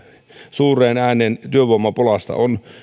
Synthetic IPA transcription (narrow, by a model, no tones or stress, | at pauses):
suːrˑeːnæːneːnt̪yøʋˑoɑmːɑpolɑst̪ɑ̰on